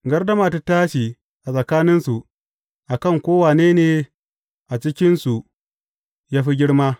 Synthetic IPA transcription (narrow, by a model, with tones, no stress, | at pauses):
ɡɐ˦rdɐ˦maː˨ta˦taː˦ʃi˨ | ʔa˨sʼɐ˨kaː˦nɪ˦nsu˨ | ʔa˨kɐ˦˨ŋkʷoː˦waː˨neː˦neː˨ | ʔa˨t͡ʃɪ˦kʲɪ˦nsu˨ | jaː˦ɸi˦ɡʲɪ˦ɽmaː˦